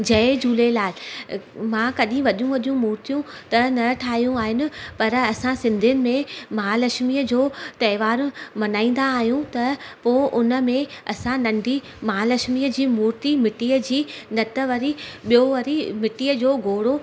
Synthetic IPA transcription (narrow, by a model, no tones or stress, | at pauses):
d͡ʑɐed͡ʑuːlelaːɪ | mãːkɐɗĩʋɐɗijũʋɐɗijũmuːɾt̪ijũ | t̪ɐnɐʈʰaːɦijũaːɦɪnɪ̆pɐɾɐsãsɪ̃nd̪ʱijʊnɪ̆mẽmaːlɐʃmiːəd͡ʑoːt̪ɐɪʋaːɾmɐnaːĩːn̆d̪aːɦijũt̪ɐpoʔʊnə̆mẽɐsãnɐ̃ɳɖʱi | maːlɐʃmiəd͡ʑiːmuːɾt̪imɪʈiːəd͡ʑiːnɐt̪ə̆ʋɐɾiɓijoʋɐɾimɪʈiːəd͡ʑoːɡʱoːɽo